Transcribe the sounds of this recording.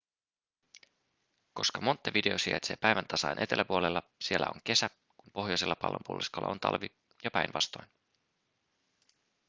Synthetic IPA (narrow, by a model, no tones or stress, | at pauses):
ko̞skɑmo̞nt̪ːɑʋide̞osiɑ̰t̪se̞ːpæjʋænt̪ɑsɑjnʔe̞t̪e̞lːʔæpuolelːɑsie̞lːæ̰o̞̰ŋke̞sæ | kumpo̞ɦjojselːɑpɑ̰lːo̰mpuo̰liskolːɑ̰ont̪ɑ̰lʋi | jɑpæjnʋɑst̪o̞jn